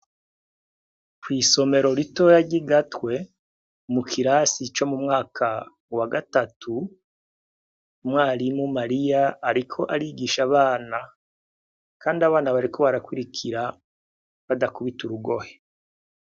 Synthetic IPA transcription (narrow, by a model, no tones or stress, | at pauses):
kwiːso̞me̞ɾo̞ɾito̞ːɾaɟiɡatwe̞ | mukʰiɾaːsit͡ʃo̞mumŋaːkʰa | waɡatatʰu | mwaːɾimumaɾijaːɾikʰo̞ʔaɾiɡiʃaβaːna | kaːndiaβaːnaβaɾikʰo̞βaɾakwuɾikʰiɾa | βadakuβituɾuɡo̞he̥